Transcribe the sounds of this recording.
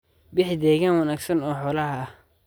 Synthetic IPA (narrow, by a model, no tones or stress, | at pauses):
bɪħɪd̪ɛːɣaːnwɐnaːɡsɐnɔːħɔːlɐhɐɐh